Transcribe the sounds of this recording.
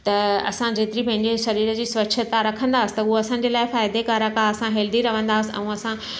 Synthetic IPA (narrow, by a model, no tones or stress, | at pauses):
t̪ɐɐ̰sãd͡ʑeːt̪ɪɾipɐ̃ɦɪ̃ɲd͡ʑeʃɐɾiːɾə̆d͡ʑiːsʋɐʃʰət̪aɾɐkʰə̃nd̪aːəsɪ̥̆t̪ɐʊɦoɐsãːɲ̆d͡ʑelaːɪfaːɪd̪ekaːɾakaɐsãɦeːld̪iɾɐʋ̤ə̃nd̪aːəsɪ̆ɛ̰̃ũɐsã